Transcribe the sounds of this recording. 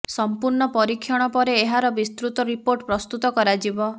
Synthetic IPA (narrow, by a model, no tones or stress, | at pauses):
sɔmpuɾɳɔpɔɾikʰːjɔɽ̃ɔpɔɾeːɦaɾɔbist̪ɾut̪ɔɾipoɾʈpɾɔst̪ut̪ɔkɔɾad͡ʒibɔ